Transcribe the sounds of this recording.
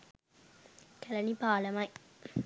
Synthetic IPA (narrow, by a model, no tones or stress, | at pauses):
kɐlɐnipaːlɐmɐɪ